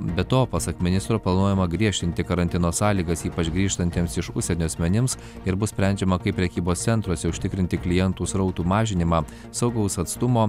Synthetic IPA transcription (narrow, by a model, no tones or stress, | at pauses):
bʲɛt̪oːpɑsɐkmʲɪnʲɪst̪ɾoːplˠɐnuɔjɛmɐɡɾʲiɛʃʲt̪ʲɪnʲt̪ʲɪkɐɾɐnʲt̪ʲɪnoːsɑːlʲiːɡɐsiːpɐt͡ʃɡɾʲiːʃt̪ɐnʲt̪ʲiɛmsɪʃʊ̰ʃʲsʲɛnʲoːɐsʲmʲɛnʲɪms | ɪɾbʊssʲpʲɾʲɛˑnʲd͡ʒʲɛmɐkɐɪpʲːɾʲɛkʲiːboːst̪sʲɛnt̪ɾoːsʲɛʊʃʲt̪ʲɪkɾʲɪnʲt̪ʲɪklʲɪjɛnt̪uːsɾɐʊt̪uːmɑːʒʲɪnʲɪmɑː | sɐʊɡɐʊsɐt̪st̪ʊmoː